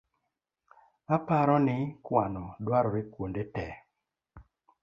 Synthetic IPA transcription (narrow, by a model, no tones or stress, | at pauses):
apaɾɔnɪkwanɔdwaɾɔɾekwondetɛ